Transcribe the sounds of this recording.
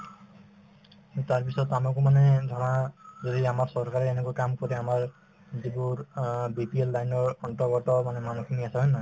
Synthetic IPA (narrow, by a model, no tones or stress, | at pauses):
taɹpisɔtamakumanɛdʱaɹazɔdiamaɹsɔɹkaɹɛːnɛkuakamkɔɾɛamaɹ | zibʊɹbipielːajnɔɹɔntɔɡɔtɔmanɛmanukʰiniasaɦɔjnɔj